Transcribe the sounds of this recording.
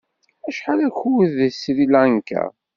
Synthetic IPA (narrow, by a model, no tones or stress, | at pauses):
æʃħalæçuwðəsɾilænkæ̰